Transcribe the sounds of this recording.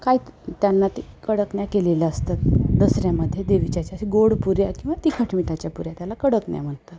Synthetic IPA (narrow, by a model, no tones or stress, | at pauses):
kait̪janːat̪ikəɽəkɳjakelelaəst̪at̪d̪əsɾjaməd̪ʱːjed̪eʋit͡ɕat͡ɕjasiɡoɽpuɾjakĩw̃ʋat̪ikʰəʈʰmiʈat͡ɕjapuɾjat̪jalakəɽəkɳja̰m̤əɳt̪at̪